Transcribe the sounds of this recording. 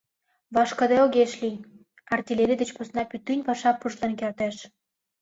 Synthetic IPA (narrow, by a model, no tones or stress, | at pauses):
βɑʃkə̆d̪eoɣeʃlij | ɑrt̪ʲilʲeɾʲid̪ĕt͡ɕposnɑpyt̪ːynʲpɑʃɑpːuʃlɑnkert̪æʃ